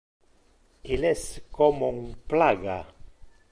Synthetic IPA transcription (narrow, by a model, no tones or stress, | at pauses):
ilɛskɔmuŋplaɡa